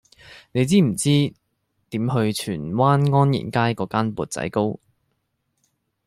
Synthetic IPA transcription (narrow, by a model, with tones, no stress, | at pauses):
ne˨˧jt͡siː˥m̩˨˩t͡siː˥ | t̪iː˨˥mɦɵ˧ɥt͡ʃʰyː˨˩nwaː˥nŋɔː˥njḭ˨˩nkaː˥jkɔː˨˥kaː˥npṵː˨˧t̚t͡sɐ̰˨˥jko˥w